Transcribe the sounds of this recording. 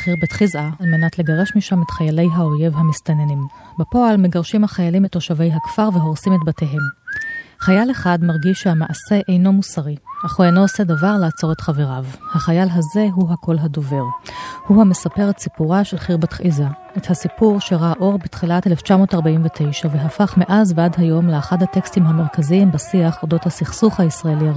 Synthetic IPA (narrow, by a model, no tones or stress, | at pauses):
χiʁbetχizʔaalme̞natle̞ɡaʁe̞ʃmiʃametχajale̞jɦao̞je̞vɦamistanenim | bepo̞almeɡaʁʃimhaχajalimeto̞ʃavejɦakfaʁveɦo̞ʁsimetbate̞ɦe̞m | χajaleχadmaʁɡiʃehamaʔase̞ʔejno̞musaʁiaχuejnoose̞davaʁlaːt͡so̞ʁetχaveʁavhaχajalɦaze̞ɦuɦakʰo̞lɦado̞ve̞ʁhuhame̞sape̞ʁetsipuʁaʃelχiʁbatχʔiza | ethasipuʁʃeʁaʔo̞ʁbitχilateleft͡ʃamo̞ːtaʁbaimvetʰe̞jʃave̞ɦafaχme̞ʔazbeadɦajo̞mleaχadhate̞kstimɦame̞ʁkaziimbasiaχo̞do̞thasiχsuχhaisʁaelia